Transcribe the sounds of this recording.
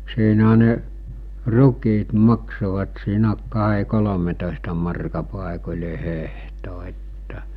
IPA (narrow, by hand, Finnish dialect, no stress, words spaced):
siːnæɦæ ne rukˑiːt mɑksoʋɑt siːnæ kɑɦe kolometoˑestɑ mɑrkɑ pɑˑekolʲe hehto etːæ